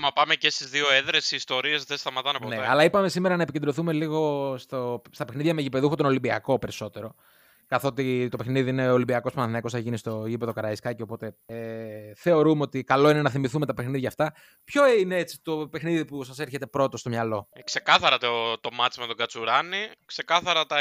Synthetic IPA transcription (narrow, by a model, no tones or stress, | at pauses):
mɐpɐmecest̪izðioeðɾesiːst̪o̞ɾie̞zðest̪ɐmɐt̪ɐneponeɐlɐipɐme̞sime̞ɾɐnɐepiced̪ɾo̞θume̞liɣo̞st̪ost̪ɐpe̞xniðʝɐmeʝipe̞ðuxot̪ono̞limbiɐ̰ko̞pe̞ɾiso̞t̪e̞ɾo̞ | kɐθot̪it̪o̞pexniðiineolimbiɐko̞spɐnɐθinɐko̞sθɐʝinist̪o̞ʝipeðokɐɾɐiskɐceo̞po̞t̪e̞eθe̞o̞ɾumeo̞t̪ikɐlo̞ine̞nɐθimiθume̞t̪ɐpexniðʝɐːft̪ɐ | pço̞ineet͡si̥t̪o̞pe̞xniðipusɐse̞ɾçe̞t̪e̞pɾo̞t̪o̞st̪o̞mɲɐlo̞kse̞kɐθɐɾɐt̪ot̪o̞mɐt̪izmet̪o̞ɡɐt͡suɾɐnikse̞kɐθɐɾɐt̪ɐ